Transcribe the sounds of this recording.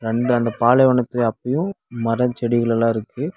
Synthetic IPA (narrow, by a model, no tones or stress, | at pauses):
ɾɛɳɖɯɐnd̪ɐpaːlɛʋɐɳɐt̪ːɯlɐpːɐjʊ̃ | mɐɾɐt͡ʃɛɽɪɣɐɭɐlãːɪɾɯkːɯ